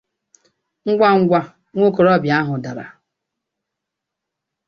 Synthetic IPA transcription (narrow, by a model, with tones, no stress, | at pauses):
ŋ̩˦ɡʷa˦ŋ̩˦ɡʷa˦ | ŋʷo˦ko˨ɾɔ˦bja˦ɦʊ˨da˨ɾa̰˨